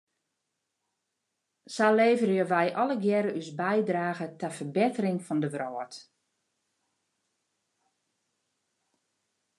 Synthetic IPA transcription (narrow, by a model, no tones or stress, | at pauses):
saleːvərjəʋɛjʔɔləɡjɛɾəʔysbɛjdraːɣətɛfərbɪtərɪŋfɔndəʋroːət